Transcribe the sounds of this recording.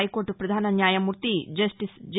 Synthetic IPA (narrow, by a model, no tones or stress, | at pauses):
jkoːɾʈupɾɐd̪ʱaːnɐnjaːjɐmuɾt̪id͡ʒɐsʈisd͡ʒ